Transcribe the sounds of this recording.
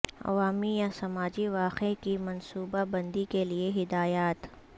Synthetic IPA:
ɐ̰ʋaːmijasɐmaːd͡ʒiʋaːqekimɐnsuːbabɐ̃nd̪ikelieɦɪd̪aːjaːt̪

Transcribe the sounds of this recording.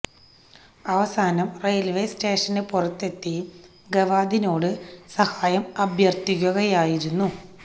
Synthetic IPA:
ɐʋɐsaːnɐmrejɐlʋejste̞ːʂɐnepurɐt̪ːe̞t̪ːi | ɡɐʋaːd̪ino̞ːɽɨsɐhaːjɐmɐbʱjɐrt̪ikʲːuɣɐjaːjiɾunːu

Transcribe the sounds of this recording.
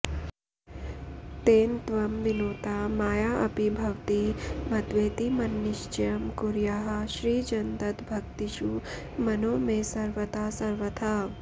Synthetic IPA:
t̪eːnt̪ʋɐmʋinoːt̪aːmaːjaːʔɐpibʱɐwt̪imɐd̪ʋeːt̪imɐnːɪʃt͡ʃjɐmkuɾjaːɦɐʃɾiːd͡ʒɐnd̪ɐt̪bʱɐkt̪iʃu | mɐnoːmesɐɾʋɐt̪aːsɐɾʋɐt̪ʰa

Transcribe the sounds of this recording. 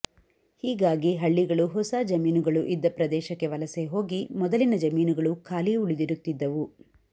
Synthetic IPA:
hiːɡaːɡiɦɐɭːiɡɐɭuɦɔsad͡ʒɐmiːnuɡɐɭuʔid̪ːɐpɾɐd̪ɛːʃɐkːe̞ʋɐlɐseɦo̞ːɡimɔd̪ɐlinɐd͡ʒɐmiːnuɡɐɭukʰaːliuɭid̪iɾut̪ːid̪ːɐʋu

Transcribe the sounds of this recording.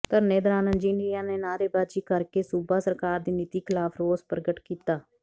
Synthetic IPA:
t̪əɾneːd̪ɾaːnə̃nd͡ʒiːɳɖijãːneːnaːɾeːbaːd̪d͡ʒiːkəɾkeːsubaːsəɾkaːɾd̪iːnɪt̪iːkʰɪlaːpʰɾoːzpɾəɡəʈkiːt̪aː

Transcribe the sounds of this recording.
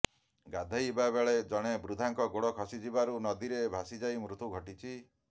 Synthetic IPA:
ɡad̪ʱajbabeɭed͡ʒɔɽ̃ebɾud̪ʱaŋkɔɡoɽɔkʰɔsid͡ʒibaɾunɔd̪iɾebʱasid͡ʒajmɾut̪ʰuɡʱɔʈit͡ʃʰi

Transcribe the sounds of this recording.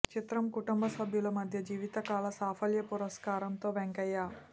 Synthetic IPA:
t͡ʃit̪ɾɐmkuʈumbɐsɐbʱjulɐmɐd̪ʱjɐd͡ʒiːʋit̪ɐkaːlɐsaːpʰɐljɐpuɾɐskaːɾɐnt̪o̞ːʋeŋkɐjːaː

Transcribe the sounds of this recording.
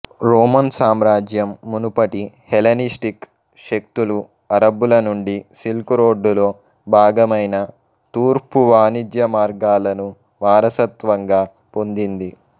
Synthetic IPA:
ɾoːmɐnsaːmɾaːd͡ʒjɐmːunupɐʈihelɐnisʈik | ʃek̚t̪ulu | ɐɾɐbːulɐnuɳɖisilkuɾo̞ːɖːulo̞ː | bʱaːɡɐmɐjnɐ | t̪uːɾpuʋaːnid͡ʒjɐmaːɾɡaːlɐnu | ʋaːɾɐsɐt̪ʋɐŋɡaː | po̞nd̪ind̪i

